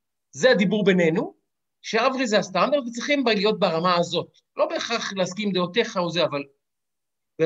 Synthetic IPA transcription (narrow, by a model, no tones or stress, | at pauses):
zead̪ibuʁbe̞ne̞nu | ʃeavʁizeast̪and̪aʁd̪vet͡sʁiχimbalijo̞t̪̚beaʁamaːzo̞t̚ | lʔo̞be̞ːχaχleaskimd̪eote̞χauzeaval | be